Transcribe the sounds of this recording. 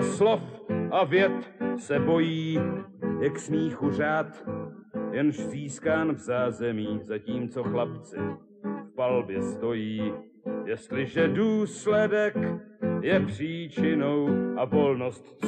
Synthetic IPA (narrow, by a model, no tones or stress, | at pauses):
slofʔavjɛt̪sɛbo̞jiːjɛksmiːxur̝aːt̪ | jɛnʒziːskaːnvzaːzɛmiːzaciːmt͡so̞xlapt͡sɪ̰ | fpalbjɛst̪o̞jiː | jɛst̪lɪʒɛduːslɛdɛk | jɛpr̥iːt͡ʃɪno̞wʔavo̞lnost̪